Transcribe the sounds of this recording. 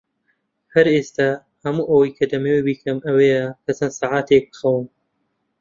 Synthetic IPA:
hɐɾest̪a | hɐmuːʔɐwɐjkʰɐd̪ɐmewebiːkʰɐmɐweːjɐkʰɐt͡sɐnsaːʕaːt̪ʰeːk̚bɨ̥xɐwɨn

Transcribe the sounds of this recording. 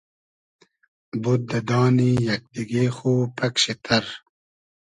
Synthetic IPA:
but̪̚d̪ɐd̪ɑːnijɐk̚d̪iɡeːxoːpɐkɕet̪ʰɐɾ

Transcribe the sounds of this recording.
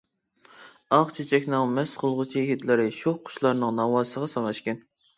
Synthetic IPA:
ɑχt͡ʃʰet͡ʃʰɛkʲnɪŋmɛsχʊlˠʁət͡ʃʰiɦit̪lɪɾɪʃoχqʰːʊ̥ʃlˠɑɾnɨŋnɑwɑːsəʁɑsɑŋlˠɑʃkʲɛn

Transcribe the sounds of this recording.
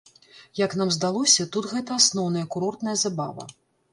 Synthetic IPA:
jɐkn̪amzd̪alˠɔsʲɐt̪ut̪ɣɛt̪ɐasnɔwn̪ɐjɐkuɾɔrt̪nɐjɐzaba̰vɐ̰

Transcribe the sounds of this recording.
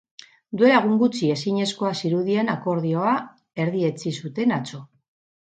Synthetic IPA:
d̪ue̞laɣuŋɡut͡sie̞siɲe̞sko̞asiɾuðie̞nako̞ɾð̞io̞a | e̞ɾðie̞t͡sisut̪e̞nat͡so̞

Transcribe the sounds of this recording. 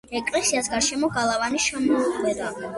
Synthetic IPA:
ɛkʼlɛsiasɡaɾʃɛmɔɡalˠavaniʃamɔuχʼwɛd̪a

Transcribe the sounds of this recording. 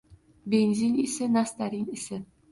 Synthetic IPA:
benzinisɪnast̪aɾinisɪ

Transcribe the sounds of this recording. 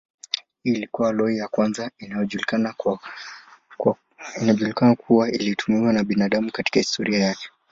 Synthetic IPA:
hiːlikuwalɔijakwanzainajɔʄulia | inaɔʄulikanakʰuwaḭlitʰumiwanaɓinaɗamukati̥kahistɔɾiajakɛ̥

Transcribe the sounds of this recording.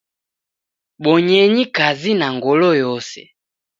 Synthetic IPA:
ɓɔɲɛɲikazinaŋɡɔlɔjɔsɛ̰

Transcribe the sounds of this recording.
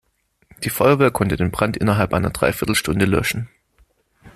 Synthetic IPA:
d̥iːfɔʏɐveːɐkʰɔntəd̥eːnbʁ̥antʔɪnɐɦalpʔaɪnɐd̥ʁa̰ɪfɪɐtl̩ʃtʊndəlœ̰ʃn̩

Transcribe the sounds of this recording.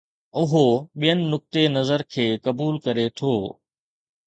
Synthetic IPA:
ʊɦoɓijənɪ̆nʊk̚t̪enɐzəɾkʰeːkɐbuːlkɐɾet̪ʰoː

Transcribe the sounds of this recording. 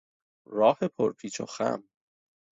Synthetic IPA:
ɾɒːhepʰoɾpʰiːt͡ʃʰo̰xæ̰m

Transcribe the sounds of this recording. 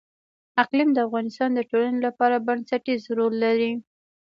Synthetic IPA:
aqlimd̪əafɣɑnɪst̪ɑnd̪əʈolanelapɑɾabansaʈizɾolːaɾi

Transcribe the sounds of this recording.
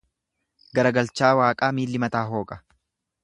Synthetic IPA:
ɡɐɾɐɡɐlt͡ʃaːwaːkʼaːmiːlːɪmɐt̪aːɦo̞ːkʼɐ̥

